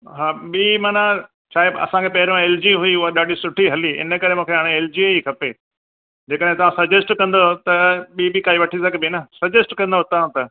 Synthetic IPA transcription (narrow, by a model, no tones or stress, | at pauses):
ɦaːɓiːmaːna | t͡ɕʰaːeɐ̰sãkʰepɐɦɪɾõeːld͡ʑiɦʊiʊɦaɗaːɗisʊʈʰiɦɐliɪ̰nə̆kɐɾemũːkʰeɦaːɽ̃eeːld͡ʑieikʰɐpe | d͡ʑeːkəɗaɦẽt̪ɐʋãsɐd͡ʑesʈkɐ̃nd̪ot̪ɐɓiːbɪkaːiʋɐʈʰisɐɡbɪnɐsɐd͡ʑesʈkɐ̃nd̪ot̪ɐʋãt̪ɐ